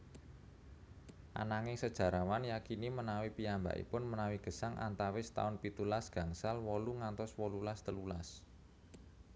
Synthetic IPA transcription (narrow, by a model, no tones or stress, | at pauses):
ʔa̰naŋɪŋsəd̥ʒ̥a̤ɾawanjakinimənawipiamba̰ʔḭpʊnmənawiɡ̥ə̤saŋʔa̰nt̪awɪst̪a̰ʊnpit̪ulasɡ̥ä̤ŋsalwɔluŋant̪ɔswɔlulast̪əlulas